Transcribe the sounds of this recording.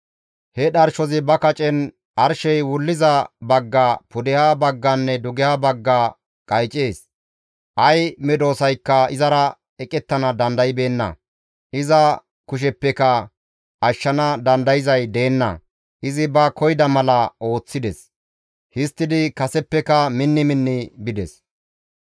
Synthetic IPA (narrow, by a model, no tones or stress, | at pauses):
hɛɗɐɾʃɔzɪbɐkɐt͡ʃʼɛn | ʔɐɾʃɛjwʊlːɪzɐbɐɡːapʊd̪ɪjabɐɡːɐnːɛd̪ʊɡɪjabɐɡːa | kʼɐjt͡ʃʼe̞ːs | ʔɐjmɛd̪o̞ːsɐjkːɐɪzɐɾɐ | ɛkʼɛt̪ːɐnɐd̪ɐnd̪ɐjɪbe̞ːnːɐ̰ | ʔɪzɐ | kʊʃ̬ɛpːɛkɐ | ɐʃːɐnɐd̪ɐnd̪ɐjɪzɐjd̪e̞ːnːɐ̰ | ʔɪzɪbɐkɔjd̪ɐmɐlɐʔo̞ːt͡sːɪd̪ɛs | hɪst̪ːɪd̪ɪkɐsɛpːɛkɐmɪnːɪmɪnːɪbɪd̪ɛs